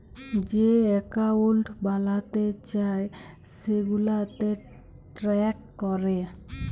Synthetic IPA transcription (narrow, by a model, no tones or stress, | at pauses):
d͡ʑeɛkaulʈʰbalat̪et͡ɕae | seɡulat̪e | ʈɾɛk̚kɔɾe